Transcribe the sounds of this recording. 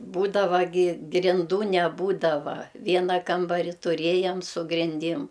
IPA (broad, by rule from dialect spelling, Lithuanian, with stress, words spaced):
ˈbuːdɐʋɐ ɡʲɪ ɡrʲɪnˈduː nʲɛˈbuːdɐʋɐ ˈʋʲiɛnɐ ˈkɐmbɐrʲɪ tʊˈrʲeːjɛm sʊ ɡrʲɪnʲˈdʲɪm